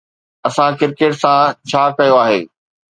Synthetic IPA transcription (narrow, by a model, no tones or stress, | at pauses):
ɐsãkɪɾkeʈsãt͡ɕʰaːkɐjoaːɦeː